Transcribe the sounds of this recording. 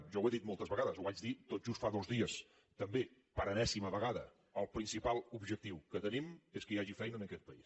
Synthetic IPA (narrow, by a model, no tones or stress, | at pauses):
ʒɔweðit̪̚molˠt̪əzβəɣaðəzuβad͡ʒðit̪oʒ̥ust̪faðozðiəs | t̪əmbe | pəɾənɛsiməβəɣaðə | əlˠpɾinsipalˠubʒək̚t̪iwkət̪ənimeskəjaʒifɛjnəːnəkɛt̪̚pəis